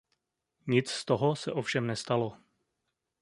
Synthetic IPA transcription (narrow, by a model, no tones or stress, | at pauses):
ɲɪt͡sst̪oɦosɛʔo̞fʃɛmnɛst̪alo̞